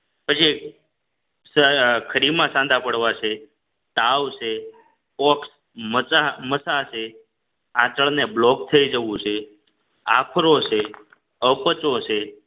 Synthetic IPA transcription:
pət͡ʃʰi | səkʰəɾimãsãnd̪ʱãpəɽʋat͡ʃʰe | t̪aʋsʰe | ɔks | məaməsasʰe | ãt͡ʃəɭneblɔk̚t̪ʰəid͡ʒəʋũt͡ʃʰe | apʰɾot͡ʃʰe | əpət͡ʃot͡ʃʰe

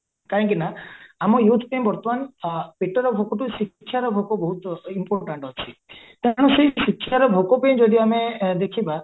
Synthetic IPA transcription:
kaɦɔ̃ŋkinaamɔjut̪ʰpẽmbɔɾt̪ɔmanpiʈɔɾɔbʱokɔʈusikʰːjaɾɔbʱokɔbɔɦut̪impoɾʈaɳʈɦɔt͡ʃʰi | t̪aɽ̃ɔseisikʰːjaɾɔbʱokɔpej̃d͡ʒɔd̪iamed̪ekʰiba

